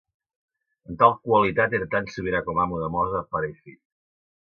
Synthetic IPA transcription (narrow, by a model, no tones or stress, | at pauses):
ənt̪alˠkwalit̪at̪eɾət̪ansəβiɾakɔmamuðəmɔzəpaɾeθi